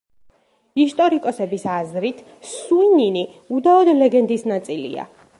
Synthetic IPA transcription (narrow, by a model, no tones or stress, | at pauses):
ist̪ʼɔɾikʼɔsɛbisazɾit̪ʰ | suinini | ud̪aɔd̪lɛɡɛnd̪isnat̪sʼilḭa̰